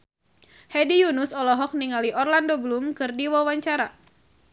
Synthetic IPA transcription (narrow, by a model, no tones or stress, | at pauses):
hɛdijunʊsɔlɔɦɔk̚niŋaliʔɔrlandoblumkɨrdiwawaɲt͡ʃaɾa